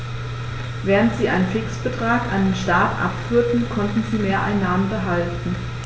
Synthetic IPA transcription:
vɛːʁ̞əntz̥iːʔaɪnənfɪksb̥ətʁ̥aːkʔandenʃtaːtʔa̰pfyːɐtn̩kʰɔntn̩ziːmeːɐʔaɪnːaːmənbəɦaltn̩

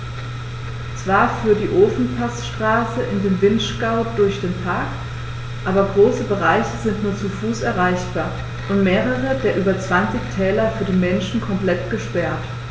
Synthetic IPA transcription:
t͡sv̥aːɐfyːɐdiːʔoːfn̩pʰasʃtʁ̥aːsəʔɪndeːmvɪntʃkaʊdʊɐçd̥eːnpʰaɐk | ʔaːbɐɡʁoːsəbəʁaɪçəzɪntnuːɐt͡sufuːsɛɐʁ̞aɪçb̥aːɐ | ʔʊntmeːʁəʁ̞ədeːɐʔyːbɐt͡sv̥ant͡sɪçtʰɛːlɐfyːɐdeːnmɛnʃn̩kʰɔmplɛtɡ̥əʃpɛɐt

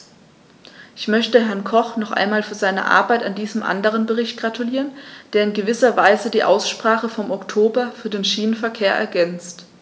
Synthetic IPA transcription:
ʔɪçmœçtəɦɛɐnkʰɔχnɔχʔa̰ɪnmaːlfyːɐzaɪnə̰ʔa̰ɐbaɪtandiːzəmʔa̰ndəʁ̞ənbəʁɪçt̚ɡ̥ʁatʰuliːʁənd̥eːɐɪnɡəvɪsɐvaɪzədiːʔa̰ʊsʃpʁ̥aːχəfɔmɔktʰoːbɐfyːɐdeːnʃiːnənfɛɐkʰeːɐʔɛ̰ɐɡɛnt͡st

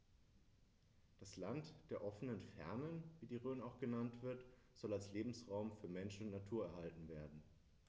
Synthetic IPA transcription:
d̥aslantd̥eːɐʔɔfənənfɛ̰ɐnənviːdiːʁøːnaʊxɡ̥ənantv̥ɪɐt | z̥ɔlalsleːbm̩sʁaʊmfyːɐmɛnʃn̩natʰuːɐɛɐhaltn̩veːɐdn̩

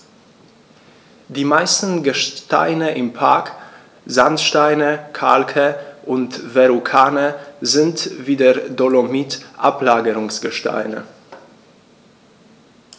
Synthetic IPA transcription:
diːmaɪstn̩ɡəʃta̰ɪnəʔɪmpʰaɐk | zantʃtaɪnəkʰa̰lkʰəʔʊntvɛʁukʰaːnəzɪntviːdeɐdolomiːtʔaplaːɡəʁʊŋsɡ̥əʃta̰ɪnə̰

